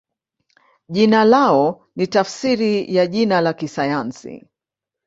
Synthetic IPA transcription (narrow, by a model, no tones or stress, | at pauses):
ʄinalaɔ | nitafsiɾijaʄinalakisajansḭ